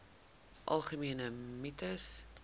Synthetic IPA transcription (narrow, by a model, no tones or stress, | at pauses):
ʔɐlˠχəmiənəmitəs